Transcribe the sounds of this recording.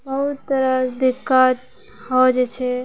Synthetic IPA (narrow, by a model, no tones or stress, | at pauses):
bəɦut̪ːəɾəd̪ikːat̪̚ | ɦɔd͡ʒet͡ʃʰɛ